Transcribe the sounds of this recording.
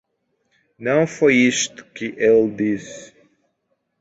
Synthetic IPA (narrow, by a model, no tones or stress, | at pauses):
nɐ̃w̃fojiʃt̪ʊ̥kɪʔeld̪is